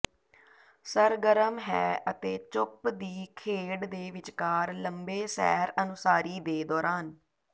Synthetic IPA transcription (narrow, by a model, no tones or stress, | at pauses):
səɾɡəɾəmɦɛːʔət̪eːt͡ʃʊpd̪iːkʰeːɽd̪eːʋɪt͡ʃkaːɾləmbeːsɛ̰ːɾənʊsaːɾiːd̪eːd̪ɔːɾaːn